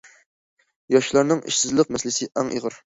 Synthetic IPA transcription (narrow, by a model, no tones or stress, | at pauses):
jɑʃlˠɑɾnɨŋḭʃsɪzlˠəqmɛslɪsɪʔɑŋʔḭʁəɾ